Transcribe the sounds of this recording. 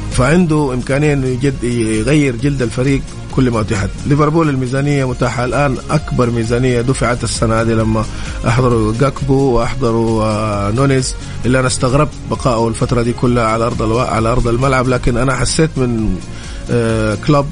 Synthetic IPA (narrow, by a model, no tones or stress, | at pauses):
faʕɪnd̪uʔɪmkaːnɪjːan | jɣajːɪɾd͡ʒald̪alfaɾiːɡ̚ | kʊlːmat̪ɪħat̪lɪveɾˤbuːlalmiːzaːnɪjːamʊt̪aːħaalʔaːnʔakbɑɾˤmiːzaːnɪjːad̪uːfiʕaːt̪asːanahaːd̪ilamːa | ʔɑ̰ħd̪ˤɑɾˤuɡakbuwɪʔɑħd̪ˤɑɾˤunʊnɪz | ʔɪlːiʔanaʔast̪aɣɾɪb̚bɑqɑːʔualfat̪ɾˤɑd̪iːkʊlːhaʕalaʔɑɾˤd̪ˤlaʕa̰laʔɑɾˤd̪ˤalmalʕablaːkɪnʔanaħasːeːt̪mɪn | klab̚